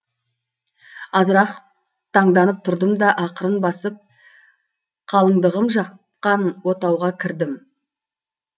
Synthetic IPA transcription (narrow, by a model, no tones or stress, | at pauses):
ɑzəɾɑq | t̪ʰɑɴd̪ɑnəp̚t̪ʰʊɾd̪əmd̪ɑʔɑqəɾənbɑsəp̚ | qʰɑlˠəŋd̪əʁəmʒɑ | qɑnwo̞t̪ɑwʁɑkʲʰɪɾd̪ɪm